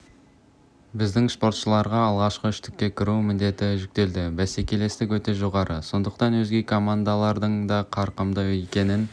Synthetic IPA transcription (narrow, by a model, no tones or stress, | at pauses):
bɪzd̪ɪŋspo̞ɾt̪ʃəlˠɑɾʁɑɑlˠʁɑʃqəʏʃt̪ɪ̥k̚t̪e̞kʲʰɪɾumɪnd̪e̞t̪ɪʒʏk̚t̪e̞ld̪ɪbæsekʲe̞le̞st̪ɪkʲwɵt̪e̞ʒo̞ʁɑɾʔəso̞nd̪əqt̪ɑnwɵzɡʲe̞kʰo̞mand̪alˠɑɾd̪əɴd̪ɑqʰɑɾqəmd̪əekʲe̞nɪn